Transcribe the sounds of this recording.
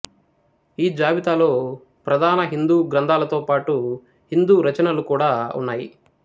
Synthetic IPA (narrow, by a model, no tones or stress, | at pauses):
iːd͡ʒaːʋit̪aːlo̞ː | pɾɐd̪ʱaːnɐɦind̪uːɡɾɐnd̪ʱaːlɐt̪o̞ːpaːʈu | hind̪uːɾɐt͡ʃɐnɐlukuːɽaːṵnːaːjḭ